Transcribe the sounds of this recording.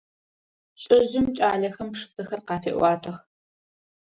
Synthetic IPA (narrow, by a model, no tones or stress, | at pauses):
ɕʼɪʑɪmt͡ʃʼaːɮɐxɐmpʂɨ̥sʰɨxɐrqɑːfḛːʔwʷɑːtʰɐx